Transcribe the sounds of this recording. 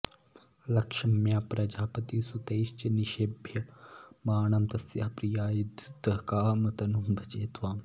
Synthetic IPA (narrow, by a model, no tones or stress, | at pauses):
lɐkʃɐmjãːpɾɐd͡ʒaːpɐt̪isut̪eːʃt͡ʃɐniʃebʱjɐmaːɳɐmt̪ɐsjaːpɾijaːjud̪ʱd̪ɐkaːmɐt̪ɐnumbʱɐt͡ʃeːt̪ʋaːm